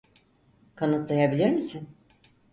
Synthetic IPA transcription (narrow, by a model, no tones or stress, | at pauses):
kʰanɯt̪lˠajabilʲiɾmisin